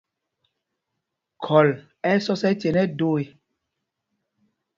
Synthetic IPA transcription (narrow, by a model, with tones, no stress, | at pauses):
kʰɔ˨l | ɛ˦sɔ˦sɛ˦te˨nɛ˦do˦˨e˨